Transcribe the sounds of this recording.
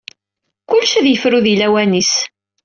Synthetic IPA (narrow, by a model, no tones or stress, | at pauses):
kʊlːʃæðjəfɾuðilæwænis